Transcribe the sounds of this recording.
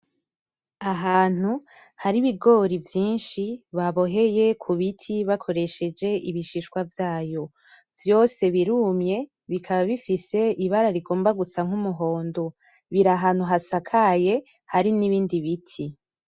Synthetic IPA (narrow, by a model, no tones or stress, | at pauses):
aɦaːn̥u | haɾiβiɡo̞ɾivjiːnʃiβaβo̞ɦe̞je̞kʰuβitʰiβakʰo̞ɾe̞ʃe̞d͡ʒe̞ʔiβiʃiʃkwavjaːjo̞ | vjo̞se̞βiɾumɲe̞ | βikʰaβaβifise̞iβaɾaɾiɡo̞ːmbaɡusaŋ̥humuɦo̞ːndo | βiɾaɦaːn̥huɦasakʰaje̞ | haɾiniβiːndiβitʰi